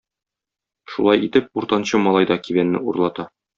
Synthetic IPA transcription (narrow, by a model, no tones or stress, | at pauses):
ʃulˠɑjit̪ɘp̚uɾt̪ɑnɕɤmɒlˠɑjd̪ɒkiβbænːɘ̰ṵɾlˠɑt̪ɑ